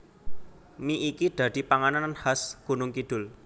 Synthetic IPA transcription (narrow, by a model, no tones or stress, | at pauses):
miʔːkid̪̥ä̤d̪̥i̤paŋanananhasɡ̥ṳnʊŋkid̪̥ʊ̤l